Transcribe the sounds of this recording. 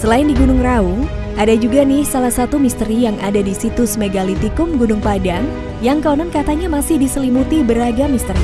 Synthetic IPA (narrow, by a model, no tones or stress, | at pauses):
səlaɪndiɡunʊŋrau | adad͡ʒuɡanihsalahsat̪umist̪əɾijaŋʔadadisit̪ʊsmeɡalit̪ikʊmɡunʊŋpadaŋ | jaŋkaunankat̪aɲamasɪhdisəlimut̪ibəɾaɡamist̪əri